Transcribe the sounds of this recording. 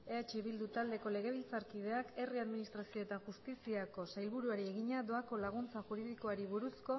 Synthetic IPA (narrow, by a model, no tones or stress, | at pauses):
e̞at͡ʃiβild̪ut̪ald̪e̞ko̞le̞ɣ̞e̞βilt͡saɾkið̞e̞ake̞riaðminist̪ɾasio̞e̞t̪aʝust̪isiako̞sajlβuɾuaɾie̞ɣiɲad̪o̞ako̞laɣ̞unt͡saʝuɾiðiko̞aɾiβuɾusko̞